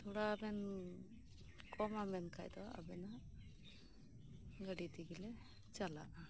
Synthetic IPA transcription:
t̪ʰuɽabɛn | kʰɔmamɛnkʰa̰jd̪ɔa̰bɛna | ɡəɽit̪iɡilɛ | t͡ʃala̰ʔ

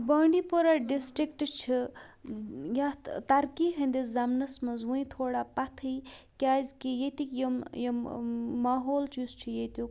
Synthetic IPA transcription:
bəːɳɖipoɾaɖisʈɾikʈt͡ʃʰi | jat̪ɐɾkiɦɐnd̪ezɐmnɐsmɐzwuĩt̪ʰoːɽapɐt̪ʰɨjkʲaːzkijet̪ikjɐjɐmaːɦoːlt͡ʃist͡ʃʰijet̪u

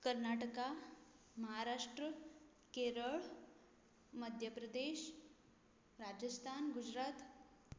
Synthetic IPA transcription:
kəɾnaʈəka | məɦaɾaʂʈɾə | keɾəɭ | məd̪ʱjəpɾəd̪eɕ | ɾad͡ʑəst̪ʰanɡud͡ʑɾat̪

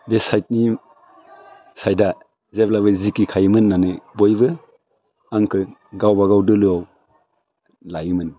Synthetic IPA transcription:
besajt̚ni | sajda | zeblaβɯzikikʰajɯmɯnːanɯbojbɯ | aŋkʰɯɡawbaɡawdɯlɯaw | lajɯmɯn

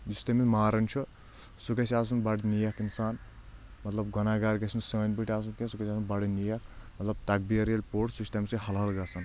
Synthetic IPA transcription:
d͡ʒust̪ɐmimaːɾɐnt͡ʃʰu | sukɐsʲas̬unbaɽit̪nijakinsaːnmɐt̪lɐbɡɔnaːɡaɾɡɐsʰinsəːnʲbiʈʰʲiaːs̬unkesukɐsaːsunbaɽinijakmɐt̪lɐb̚t̪ɐk̚biɐɾjelʲpoʈsusʲt̪ɐmsihɐlɦɐlɡasɐn

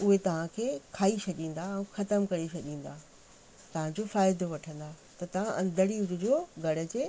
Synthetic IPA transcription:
ʊɦet̪ɐʋ̤ãkʰeːkʰaːisɐɗĩːn̆d̪aɛũxɐt̪əmkɐɾesɐɗĩːn̆d̪aː | t̪ɐʋ̤ãd͡ʑofaːɪd̪oʋɐʈʰə̃n̆d̪aː | t̪ɐt̪ɐʋ̤ãʔɐ̃nd̪ʱəɽiʊɾʊd͡ʑoːɡɐɽ̤ə̆d͡ʑeː

